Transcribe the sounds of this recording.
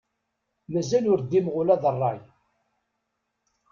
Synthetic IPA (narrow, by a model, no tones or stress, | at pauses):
mæzælʊɾd̪ːimʁʊlæðərˤːɑj